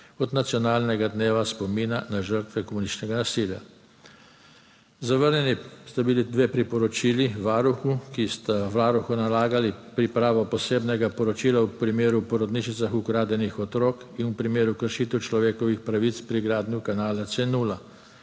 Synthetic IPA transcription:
ɔd̪nat̪sjɔnaːlnɛɡad̪neːʋaspɔmiːnanaʒəɾt̪ʋɛkɔmunist͡ʃnɛɡanasilja̰ | zaʋəɾnʲjɛnist̪abilid̪ʋeːpɾipɔɾɔt͡ʃiːliʋaːɾuxukist̪aʋaːɾuxunalaːɡalipɾipɾaːʋɔpɔseːbnɛɡapɔɾɔt͡ʃiːlawpɾimeːɾupɔɾɔd̪niʃit̪saxukɾaːd̪ɛnixɔt̪ɾoːk | inwpɾimeːɾukəɾʃiːt̪ɛwt͡ʃlɔʋeːkɔʋixpɾaʋit̪spɾiɡɾaːd̪njukanaːlat̪senuːla

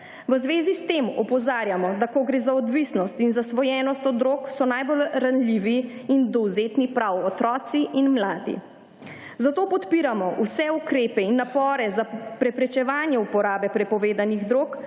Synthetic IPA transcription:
ʋəzʋeːzist̪emɔ̰pɔzaːɾjamɔd̪akɔɡɾeːzaɔd̪ʋisnɔst̪inzasʋɔjɛːnɔst̪ɔd̪ɾoːksɔnajbolɾanliʋiind̪ɔwzet̪nipɾawɔt̪ɾɔːt̪siʔinmlaːd̪ḭ | zat̪oːpɔt̪piɾamɔwsɛukɾeːpɛinːapɔːɾɛzapɾɛpɾɛt͡ʃɛʋaːnjɛupɔɾaːbɛpɾɛpɔʋeːd̪aniɣd̪ɾoːk

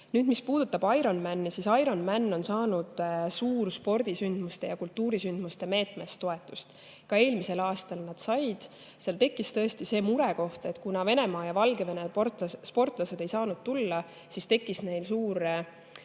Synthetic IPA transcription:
nyːd̪̥mispuːd̪ut̪ːˑɑb̥ɑjɾo̞nmænːisisɑjɾo̞nmænːo̞nsɑːnud̪̥suːɾspo̞rd̪̥isynd̪̥must̪e̞jɑkult̪ːuːɾisynd̪̥must̪e̞me̞ːt̪me̞st̪ːo̞e̞t̪ːˑust̪ | kɑe̞ːlmise̞lɑːst̪ɑlnɑd̪̥sɑjd̪̥ | seɑlt̪e̞kːˑist̪ɤ̞est̪ise̞ːmuɾe̞ko̞ht̪e̞t̪ˑkunɑve̞ne̞mɑːjɑvɑlɡe̞ve̞nespo̞rt̪ˑlɑse̞d̪e̞jsɑːnud̪̥̚t̪ulːɑ | sist̪e̞kːˑisne̞jlsuːɾ

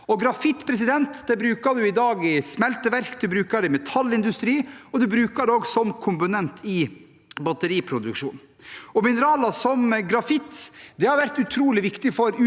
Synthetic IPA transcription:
ɔɡɾɑfɪt̪ːpʰɾɛs̬ɪd̪ɛnt̪d̪ɛbɾʉːkɑd̪ʉɪd̪ɑːɡɪsmɛlt̪əʋæɾkd̪ʉbɾʉːkɑd̪ɛmɛt̪ʰɑlːɪnd̪ʉst̪ɾiːɔd̪ʉbɾʉːkɑd̪oːɡsɔmkʰʊmpʊnɛnt̪ʰɪ | bɑt̪əɾiːpʰɾʊd̪ʉkʂṵːn | ɔmɪnəɾɑːlɑsɔmɡɾɑfɪt̪ːd̪ɛhɑɾʋæɾt̪ʉt̪ʰɾuːlɪʋɪkt̪ɪfɔɾʉ

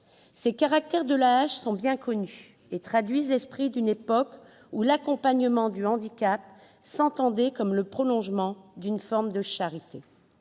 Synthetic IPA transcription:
sekaʁak̚t̪ɛʁd̪əlaːʃsɔ̃bjɛ̃kɔny | et̪χad̪ɥizlɛspχid̪ynepɔk | ulakɔ̃paɲəmɑ̃d̪yɑ̃d̪ikʲap̚ | sɑ̃t̪ɑ̃d̪ɛkɔmləpχɔlɔ̃ʒmɑ̃d̪ynfɔʁmd̪əʃaʁit̪e

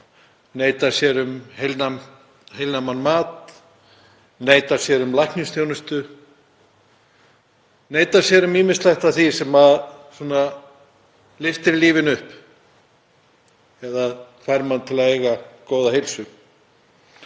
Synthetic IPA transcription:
neːjt̪ḁsjɛɾʏmhelna | ɦejlnamanmaːt̪ | neːjt̪aɾsjɛɾʏmlajhknɪst̪ʰjownʏst̪ʏ | neːjt̪aɾ̥sjɛɾʏmiːmɪst̪lajht̪aθvisɛmaðsuɔna | lɪft̪ɪɾliːvɪnʏhp | ɛðaðfajɾmant̪ʰɪlaðeːjɣakoːwðaɦejlsʏ

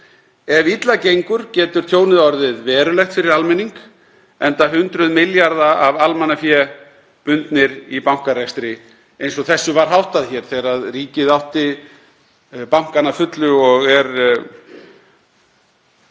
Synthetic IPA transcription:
ɛvit̪lacejŋkʏɾ̥cɛːt̪ʏɾ̥t̪ʰjoːwnɪðɔɾðɪðvɛːɾʏlɛjht̪fɪɾɪɾalmɪnːiŋk | ɛnt̪aɦʏnt̪ɾʏðmɪljaɾðaavalmanːafjɛː | pʏnt̪nɪɾipawŋ̥kaɾajst̪ɾɪ | ejnsɔɣθɛsːʏvaɾ̥ɦawht̪aðçɛːɾ̥θɛɾaðriːcɪðawht̪ɪ | pawŋ̥kanafʏt̪lʏɔɣɛɾ

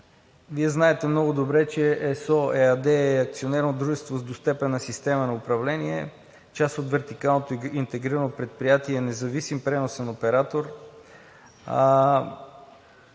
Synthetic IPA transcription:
viɛznaɛt̪ɛmnɔɡʊd̪obɾɛt͡ʃɛʔɛsɔɛad̪ɛːɐk̚t̪sionɛɾnod̪ɾuʒɛst̪vozd̪ost̪ɛpɛnːɐsist̪ɛmənɐʊpɾɐvlɛniɛ | t͡ʃast̪ot̪vɛɾt̪ikalˠnot̪oint̪ɛɡɾiɾɐnopɾɛt̪̚pɾijat̪iɛnɛzɐvisimpɾɛnosɛnopɛɾat̪oɾ

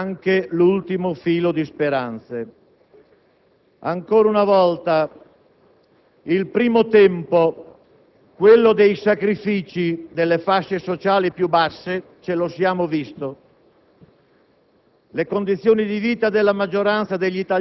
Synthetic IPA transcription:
ŋkelult̪imofiːlod̪ispeɾant̪se | aŋkoːɾaunavɔlt̪a | ilpɾiːmot̪ɛmpo | kwelːod̪ejsakɾifiːt͡ʃid̪elːefaʃːesot͡ʃaːlipjubasːe | t͡ʃelosjaːmovist̪o | lekond̪it̪sːjoːnid̪iviːt̪ad̪elːamad͡ʒːoɾant̪sad̪eʎːit̪a

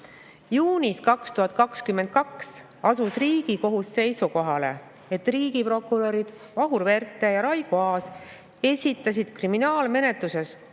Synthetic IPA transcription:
juːnʲiskɑkst̪uɦhɑt̪̚ːˑkɑkskymːe̞nd̪̥̚kɑks | ɑsusriːɡ̥iko̞ɦusːe̞jsuko̞ɦɑle̞̰ | et̪ːriːɡipɾo̞kːuɾo̞ɾid̪̥ | vɑɦuɾve̞rt̪ːˑe̞jɑɾɑjɡ̥uɑːs | e̞sʲit̪ːˑɑs̬ʲid̪̥kriminɑːlme̞ne̞t̪luse̞s

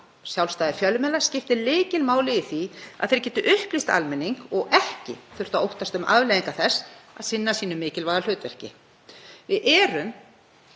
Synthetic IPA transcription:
sjawlst̪aːðɪfjœlːmɛːlḁscɪft̪ɪleːjcɪlmaːwlɪːθiaðθejɾ̥cɛːt̪ʏʔʏhplist̪a̰lmɛnːiŋkɔɣɛhcɪ̰θʏr̥t̪aowht̪ast̪ʏmʔa̰vleːðiŋkaθɛsːa̰ðsɪnːasiːnʏmɪːcɪlvaðalʏːt̪vɛr̥cɪ | vɪðʔɛːɾʏm

